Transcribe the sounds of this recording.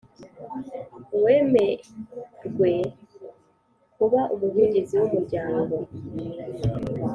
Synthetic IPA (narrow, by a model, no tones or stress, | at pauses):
we̞ːme̞ | ɾɡwe̞ | kuβaʔumuɦeːɲɟeziwumuɾɟaːŋɡo̞